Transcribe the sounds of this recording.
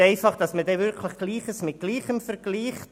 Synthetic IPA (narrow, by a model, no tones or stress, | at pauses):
eɪfɑχd̥ɑsmədevɪɾkʰləχɡ̥liːχəsmɪt̚ɡ̥liːχəmfəɾɡ̥liːχ